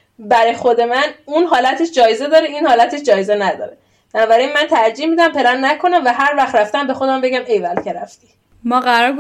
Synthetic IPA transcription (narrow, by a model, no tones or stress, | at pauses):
bæɾɒjxo̞d̪e̞mænunɦɒːlæt̪ʰeʃd͡ʒɒːjeze̞d̪ɒːɾeiːnhɒːlæt̪ʰeʃd͡ʒɒːjezenæd̪ɒ̰ːɾe | b̥ænɒːbæɾinmænt̪ʰæɾd͡ʒiːhmiːd̪æmpʰe̞ɾænnækʰo̞næmvæɦæɾvæxt̪ɾæft̪æmbe̞xo̞d̪æmbe̞ɟæmejvælcʰe̞ɾæft̪iː | mɒːɣæɾɒːɾɡ